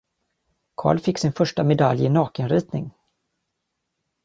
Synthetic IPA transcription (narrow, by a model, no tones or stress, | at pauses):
kʰɑ̰ːɭfɪkːsɪnfœʂʈamɛd̪aljɪnɑːkənɾiːt̪nɪŋ